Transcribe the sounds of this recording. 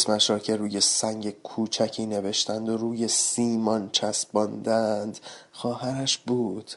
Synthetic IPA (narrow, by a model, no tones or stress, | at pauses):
smæʃɾɒːcʰe̞ɾuːjesæŋɟe̞kʰuːt͡ʃʰæcʰiːne̞ve̞ʃt̪ænd̪oɾuːje̞siːmɒnt͡ʃʰæsbɒnd̪ænd̪̥xɒːhæɾæʃbuːd̪̥